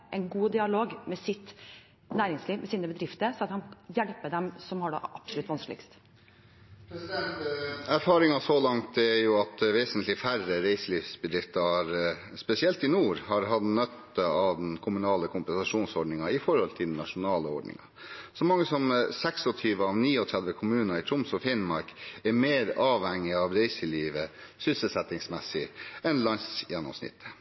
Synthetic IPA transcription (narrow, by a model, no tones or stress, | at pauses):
ʔɛnɡuːd̪ɪɑloːɡmɛsɪt̪ | næːɾɪŋsliːʋmʔɛsiːnəbəd̪ɾɪft̪əɾsɑt̪hɑnjɛlpəɖɛmsɔmhɑɖɛ̰ʔɑpsʊlʉt̪ːʋɑnskəlɪkst̪ | æɾfɑːɾɪŋɑsɔlɑŋt̪æɾjʊɑt̪ʋeːsənt̪ʰlɪfæɾəɾeɪsəliːfsbəd̪ɾɪft̪ɑɾ | spɛsɪɛlt̪ɪnuːɾhɑɾɦɑt̪nœt̪ːəɑʋd̪ɛnkʰʊmʉnɑːləkʰʊmpɛnsɑʂuːnsɔɖɳnɪŋɑɪfɔɾhɔlt̪ʰɪld̪ɛn̩ːɑʂʊnɑːləɔɖnɪ̰ŋɑ̰ | sɔmɑŋːəsɔmsɛksɔt̪ʰyːʋəɑʋniːɔt̪ʰɾɛlʋəkʰʊmʉːnɑɪt̪ʰɾʊmsɔfɪnmɑɾkɛɾmeːɾɑːʋhɛŋːɪɑʋɾɛɪsəliːʋəsʏsəlsɛt̪ɪŋsmɛsːɪɛnlɑnsjɛnːɔ̰msnɪ̰t̪ʰːə̥